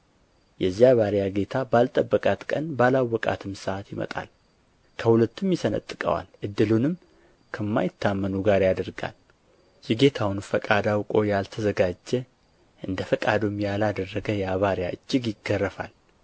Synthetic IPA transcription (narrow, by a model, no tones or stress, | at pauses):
jɛzjaβaɾjaɡe̞t̪ʰabalt̪ʼəbːəkʼat̪kʼənbalawːɔkʼa̰t̪ʰɨmsəʔat̪jɪmə̰t̪ʼa̰l | kʰəhulət̪ːɨmjɪsənə̰t̪ʼːɨkʼə̰wa̰lʔɨd̪ːɨlunɨm | kʰəmːa̰jɪt̪ʰːamːənuɡaɾjad̪əɾɡa̰l | jɪɡe̞t̪ʰawnfəkʼad̪awkʼo̞jalt̪ʰəzəɡad͡ʒːɛ | ʔɨnd̪əfəkʼad̪umjalad̪ərːəɡəjɛaβaɾjaʔɨd͡ʒːɪɡjɪɡːərːəfa̰l